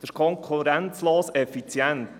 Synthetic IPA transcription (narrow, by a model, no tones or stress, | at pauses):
d̥̪əʃkʰɔŋkχuɾæntt͡sloːsɛfit͡sjɛnt̪